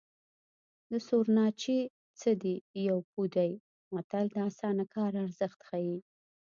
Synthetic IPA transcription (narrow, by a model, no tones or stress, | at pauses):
d̪əsoɾnɑt͡ʃi | t͡səd̪ijawpud̪aj | wat̪ald̪əasɑnakʰɑɾaɾzəxt̪xaji